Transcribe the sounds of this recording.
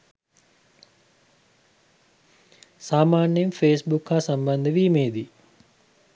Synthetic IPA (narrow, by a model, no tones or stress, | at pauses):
saːmaːnjmfeːsbukhaːsɐmbɐnd̪əʋiːmeːd̪i